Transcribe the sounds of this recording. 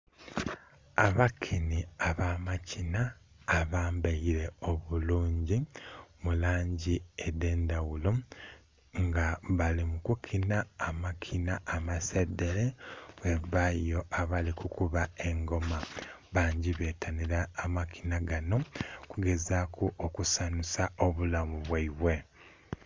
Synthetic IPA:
aβakʰiniaβaːmacʰinaː | βaːmbeiɾe̞o̞βuluːɲɟimulaːɲɟiede̞ːndawulo̞ | ŋɡaβalimukukʰinaːmakʰinaːmasede̞ɾeβweβajo̞ʔaβalikukuβae̞ŋɡo̞maβaːɲɟiβe̞tʰaniɾaːmakʰi̥naɡano̞kuɡe̞zakʰuʔokusanusao̞βulamuβwaiβwe̞

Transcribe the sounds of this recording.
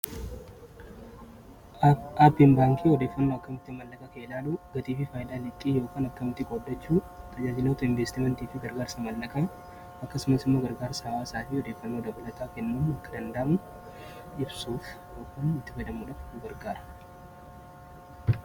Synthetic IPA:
ʔapːɪnbaːŋkʰiɔd̪e̞ːfːɐnːoːɐkːɐmɪt̪ːɪmɐlːɐkʼɐkɐɪlaːlʊɡ̥ɐt̪iːfɪfaːjɪd̪aːlɪt̪ʼːiːjo̞ːkaːnɐkːɐmɪt̪ːɪkʼɔd̪ːɐt͡ʃːuː | t̪ʰɐd͡ʒaːd͡ʒɪloːt̪ɐɪɱveːst̪ɪmɛnt̪iːfɪɡɐɾɡaːɾsɐmɐlːɐkʼɐ | ɐkːɐsʊmɐsɪmːo̞ːɡɐɾɡaːɾsɐwaːsaːfɪɔd̪e̞ːfːɐnːoːd̪ɐbɐlɐt̪ʼaːkɛnːuːnɐkːɐd̪ɐnd̪aːm | ʔɪbsuːf | joːkʰanɪt̪ːɪfɐɪd̪ɐmːʊᶑɐfɡɐɾɡaːɾɐ̥

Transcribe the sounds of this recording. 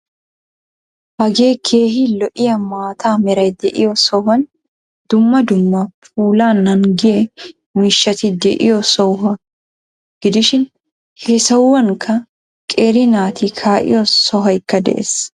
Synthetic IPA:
bɐɡeːkʰe̞ːɦɪlɔʔɪjɐmaːt̪aːmɛɾɐjd̪ɛʔɪ̰jɔsɔɦɐn | d̪̥ʊmːɐd̪ʊmːɐfuːlaːnːɐŋɡɪjɛ | miːʃːɐt̪id̪ɛ̰ʔɪ̰jɔsɔwɦɐ | ɡ̥ɪd̪ɪʃɪn | hesɐwwːɐŋkʰɐ | kʼeːɾɪnaːt̪ikʰaːʔɪ̰jɔsɔɦɐjɪkːɐd̪ɛ̰ʔḛs

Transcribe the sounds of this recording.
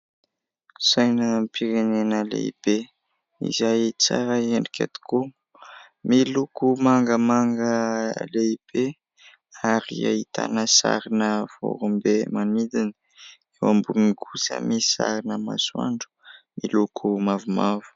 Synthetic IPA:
sajnəmpʰiɾenenəlḛḭb̥e | ḭzajt͡saɾəeɳɖ͡ʐikʰʲa̰t̪u̥ku | milukumaŋɡəmaŋɡəleib̥e | aɾḭa̰it̪a̰nəsa̰ɾinəv̥o̰ɾumbemanid̪ini | ewambunikʰusa̰misa̰ɾinəma̰swa̰ɳɖ͡ʐu̥ | milukʰumavumavu̥

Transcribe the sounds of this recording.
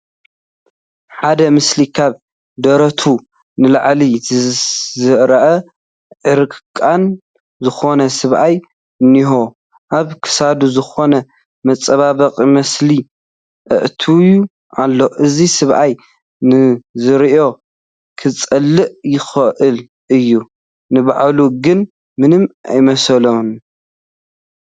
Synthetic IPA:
ħad̪ɐmɨslikʰaβ | d̪ɐɾɐt̪ʰu | nɨlaʕli | zɨɾɐʔɐ | ʕɨɾɨkkʼan | zɨxo̞nɐsɨβʔaj | niɦo̞ | ʔaβkʰɨ̥sad̪uzɨxo̞nɐ | mɐt͡sʼɐβaβɐqʼimɐsli | ʔɨ̰ʔt̪ʰuju | ʔalːo̞ʔɨzisɨβʔaj | nɨzɨɾiʔo̞ | kʰɨt͡sʼɐlːɨʔjɪxɐʔɨl | ʔɨjːu | nɨbaʕluɡɨn | mɨnɨmʔa̰jmɐslɐn

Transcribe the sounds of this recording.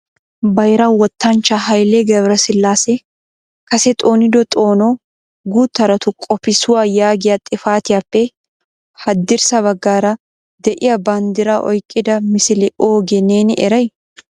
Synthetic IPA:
bɐjɾɐwɔt̪ːɐnt͡ʃːɐɦɐjlɛɡɛβɾɐsɪlːaːsɛ | kɐsɛt̪ʼo̞ːnɪd̪ɔt̪ʼo̞ːno | ɡuːt̪ːɐɾɐt̪ʊkʼɔpɪsʊwaːjaːɡɪjat̪ʼɪfaːt̪ɪjaːpːɛ | hɐd̪ːɪɾsɐβɐɡːaːɾɐ | d̪ɛʔɪjɐbɐnd̪ɪɾɐʔɔ̰jkʼːɪd̪ɐmɪsɪlɪo̞ːɡɛneːnʔɛɾɐj

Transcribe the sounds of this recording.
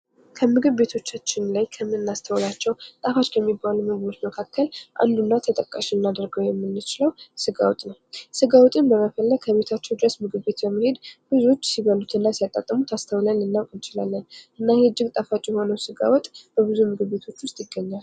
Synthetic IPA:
kʰəmɨɡɨβbe̞t̪ʰo̞t͡ʃːat͡ʃːɪnlajkʰəmɨnːast̪ʰəwlat͡ʃːɛwt̪ʼafat͡ʃːʼkʰɛmːibalumɨɡɨβo̞t͡ʃməkʰakʰːəlʔa̰nd̪unːat̪ʰət̪ʼəkʼːaʃiɨnːad̪əɾɡəwjɛmːɨnːɨt͡ʃɪləwsɨɡa̰wɔt̪ʼnəwsɨɡawɔt̪ʼɨnbəməfəlːəɡ̚kʰəβe̞t̪ʰat͡ʃːɛwd̪ɨɾəsmɨɡɨβe̞t̪bəmːihe̞d̪bɨzuo̞t͡ʃːsiβəlut̪ʰɨnːasijat̪ʼːa̰t̪ʼːəmut̪ʰast̪ʰəwlanɨnːawkʼɨnt͡ʃɪla̰lːənʔɨnːahɨd͡ʒːɪɡt̪ʼafat͡ʃʼjɛho̞nəwsɨɡa̰wɔt̪ʼb̥əβɨzumɨɡɨβːe̞t̪ʰo̞t͡ʃːwʊst̪ʼjɪɡːəɲːal

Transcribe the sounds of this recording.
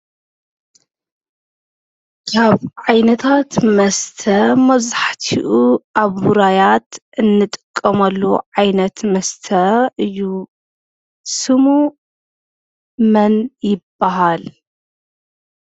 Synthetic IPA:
kʰaβʕajnɐt̪ʰat̪mɐst̪ʰɐmɐzaħt̪ʰiʔuʔaβwuɾajat̪ɨnːɨt̪ʼɨ̥kʼːɐmɐlːuʕajnɐt̪mɐst̪ʰɐɨju | sɨmu | mɐnjɪbːaɦal

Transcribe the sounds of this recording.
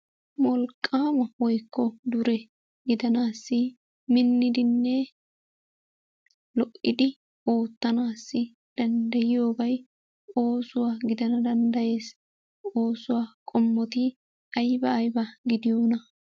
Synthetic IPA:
mɔlkʼːaːmɐwɔjkʰːɔd̪ʊɾɛ | ɡɪd̪ɐnaːsːɪ | mɪnːɪd̪ɪnːɛ | lɔʔɪd̪ɪ | o̞ːt̪ːɐnaːsːɪ | d̪̥ɐnd̪ɐjɪjo̞ːbɐj | o̞ːsʊwaːɡɪd̪ɐnɐd̪ɐnd̪ɐje̞ːs | o̞ːsʊwaːkʼɔmːɔt̪ɪ | ɐjbɐːjbɐɡɪd̪ɪjo̞ːnɐ

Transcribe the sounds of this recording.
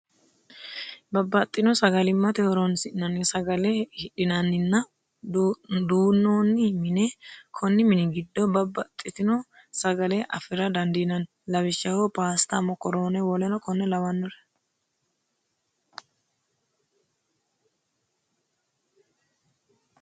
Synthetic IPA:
bɐbːɐt̪ʼːɪnɔsɐɡɐlɪmːɐt̪ɛhɔɾonsɪʔnɐnːɪsɐɡɐlɛhɪᶑɪnɐnːɪnːɐ | d̪uːnːoːnːɪmɪnɛkʰɔnːɪmɪnɪɡɪd̪ːɔbɐbːɐt̪ʼːɪt̪ɪnɔ | sɐɡɐlɛʔɐ̰fɪɾɐd̪ɐnd̪inɐn | lɐwɪʃːɐhopaːst̪ɐmɔkɔɾoːnɛwɔlɛnɔkɔnːɛlɐwɐnːɔɾɛ̥

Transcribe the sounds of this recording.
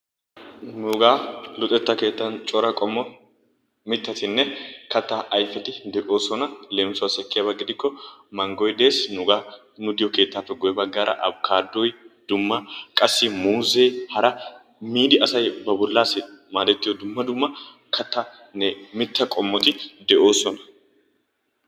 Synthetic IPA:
nʊɡaːlʊt̪ʼːɛt̪ːɐke̞ːt̪ːɐnt͡ʃʼɔɾɐkʼɔmːɔ | mɪt̪ːɐt̪ɪnːɛkɐt̪ːaʔɐjfɛt̪ɪd̪ɛʔo̞ːsɔnɐle̞ːmsʊwasɛkːɪjaːbɐɡɪd̪ɪkːɔmɐŋɡɔjd̪e̞ːsnʊɡaː | nʊd̪ɪjɔke̞ːt̪ːaːfːɛɡɔjɛbɐɡːaːɾɐ̰ʔɐbkʰaːd̪ːɔjd̪̥ʊmːɐkʼɐsːɪmuːzeːhɐɾɐ | miːd̪ɪɐsɐjbɐbʊlːaːsɛmaːd̪ɛt̪ːɪjɔd̪ʊmːɐd̪ʊmːɐ | kʰɐt̪ːa | nɛmɪt̪ːɐkʼɔmːɔt̪ɪd̪ɛʔo̞ːsɔnɐ̥

